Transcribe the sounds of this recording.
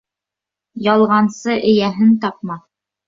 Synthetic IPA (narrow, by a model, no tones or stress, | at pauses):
jɑlˠʁɑnsɤʔɘ̆jæɦɘnt̪ɑp̚mɑ